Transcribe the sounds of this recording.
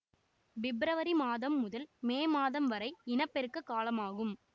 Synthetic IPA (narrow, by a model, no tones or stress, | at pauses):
ʋɪbɾɐʋɐɾimaːðɐmːʊðɐlmeːmaːðɐmʋɐɾɐɪɪnɐpːɛɾɯkːɯkːaːlɐmaːɣɯm